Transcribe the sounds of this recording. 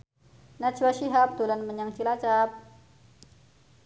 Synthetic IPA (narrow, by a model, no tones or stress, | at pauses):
nat͡ʃwaʃiɦap̚d̪ulanməɲaŋt͡ʃilat͡ʃap̚